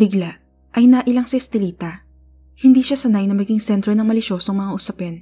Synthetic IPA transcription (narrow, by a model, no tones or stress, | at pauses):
bɪɡla | ʔɐjnaʔɪlɐŋsɪst̪ɪliːt̪ɐ | hɪnd̪iːʃasɐnajnɐmɐɡɪŋsɛnt̪ɾonɐŋmɐlɪʃo̞ːsoŋmɐŋaʔʊsɐpɛn